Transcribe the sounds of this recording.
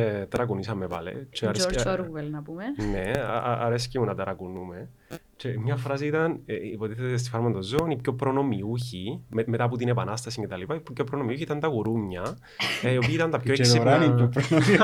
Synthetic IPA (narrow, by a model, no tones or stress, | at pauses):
et̪ɐɾɐkunisɐmepɐlḛt͡ʃeɐɾesɾuvelnɐpumenḛʔɐɾescimunɐt̪ɐɾɐkunume̞ | t͡ʃemɲɐfɾɐs̬iit̪ɐneipo̞t̪iθet̪es̬t̪ifɐɾmɐt̪ozoːnipçopɾono̞miuçimemet̪ɐput̪inepɐnɐst̪ɐsiɲcet̪ɐlipɐippçopːɾonomiuçit̪ɐnt̪ɐɣuɾuɲɲɐ | io̞piit̪ɐnt̪ɐpoeksiɾaniopɾonoi